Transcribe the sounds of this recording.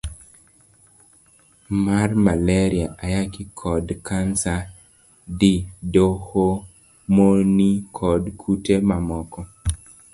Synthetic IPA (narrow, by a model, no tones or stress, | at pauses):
marmalɛɾiaʔajakɪkʰɔdkansa | didoho | monikʰɔdkʰutemamɔkɔ